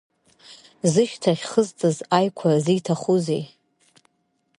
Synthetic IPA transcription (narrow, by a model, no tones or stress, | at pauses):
zɨʃtʰaχʲχəzt͡sʼɨzajkʷʰazitʰaχuzej